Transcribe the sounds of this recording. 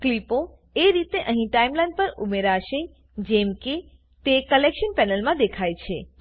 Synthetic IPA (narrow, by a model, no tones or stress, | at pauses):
klipo | eɾit̪eʔəɦĩʈaimlajnɖpəɾumeɾaʃe | d͡ʒɛmke | t̪ekəlekʃənpɛnəlmãd̪ekʰajt͡ʃʰe